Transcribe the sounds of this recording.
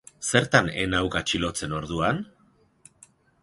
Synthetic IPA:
se̞ɾt̪anenawkat͡ʃilo̞t͡se̞no̞ɾðuan

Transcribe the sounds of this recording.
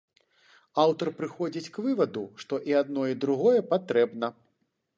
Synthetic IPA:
awt̪ɐrpɾɨxɔd͡zʲit͡sʲkvɨvɐd̪uʂt̪ɔʔiad̪̚nɔid̪ɾuɣɔjɛpat̪ɾɛbnɐ

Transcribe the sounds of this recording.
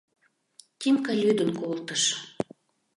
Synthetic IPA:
t̪ʲimkɑlʲyd̪ə̆nkolt̪əʃ

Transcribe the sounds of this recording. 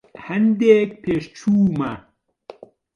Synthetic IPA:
hɐnd̪eːk̚pʰeːʃt͡ʃʰuːmɐ

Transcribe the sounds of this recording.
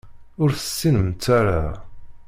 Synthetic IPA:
ʊɾθə̥sːinəmt͡s̪ːaɾa̰

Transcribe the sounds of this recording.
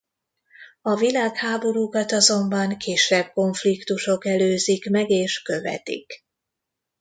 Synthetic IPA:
ɒvilaːkhaːbo̞ɾuːkɒt̪ɒzo̞mbɒŋkʰeːʃɛb̚ko̞ɱflikt̪uʃo̞kɛløːzikmɛɡeːʃkø̞vɛ̰t̪ḭk

